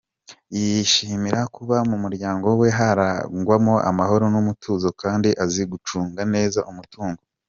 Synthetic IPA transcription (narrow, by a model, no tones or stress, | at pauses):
ijiʃiːmiɾakuβamumuɾɟaːŋɡo̞we̞ɦaɾaŋɡwamoʔa̰maɦo̞ɾo̞numutʰuːzo̞kaːndiʔaziɡut͡ʃuːŋɡane̞ːzaʔumutuːŋɡo